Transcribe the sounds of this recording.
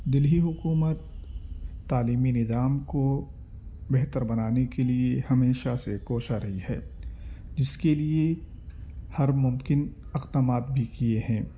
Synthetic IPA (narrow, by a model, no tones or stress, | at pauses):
d̪ɪlɦiɦʊkuːmət̪ː | aːliːminɪzaːmko | bɛɦt̪əɾbɐnaːnekeliehɐmeːʃasekoːʃaɾɐɦihɛ̰ː | d͡ʒɪskelie | hɐɾmʊmkɪn | ɪqt̪əmaːt̪̚bʱikieɦɛ̃ː